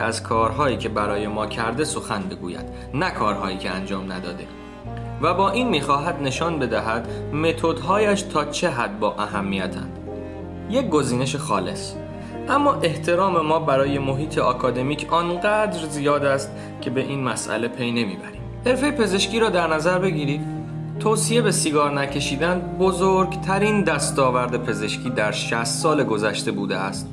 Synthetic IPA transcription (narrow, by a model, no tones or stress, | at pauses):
æz̥kʰɒːɾɦɒːjiːcʰe̞bæɾɒːje̞mɒːcʰæɾd̪e̞so̞xænbe̞ɡṵːjæ̰d̪̥ | nækʰɒːɾɦɒːjiːcʰeænd͡ʒɒːmnæ̰d̪ɒ̰ːd̪e̞ | væbɒːʔiːnmiːxɒːɦæd̪ne̞ʃɒːnbe̞d̪æɦæd̪̥me̞t̪ʰo̞d̪ɦɒːjæʃt̪ʰɒːt͡ʃʰe̞ɦæd̪̚bɒːʔæɦæmːijæt̪ʰæ̰nd̪̥ | jec̚ɡo̞ziːne̞ʃexɒːle̞s | ʔæmːɒːʔe̞ht̪ʰe̞ɾɒːme̞mɒːbæɾɒːje̞mo̞ɦiːt̪ʰe̞ʔɒːkʰɒːd̪e̞miːcʰɒːnɢæːd̪ɾzijɒːd̪æst̪ | cʲʰe̞be̞ʔiːnmæsʔæ̰le̞pʰe̞jne̞mḭːbæɾiːmhe̞ɾfe̞jepe̞ze̞ʃcʲiːɾɒːd̪æɾnæzæɾbe̞ɟiːɾiːd̪̥ | t̪ʰoːsije̞be̞siːɡɒːɾnæcʰe̞ʃiːd̪ænd̪bozoːɾɡt̪ʰæɾiːnd̪æst̪ɒːvæɾd̪e̞pʰe̞ze̞ʃcʰiːd̪æɾʃæst̪sɒːle̞ɡo̞zæʃt̪e̞buːd̪eæst̪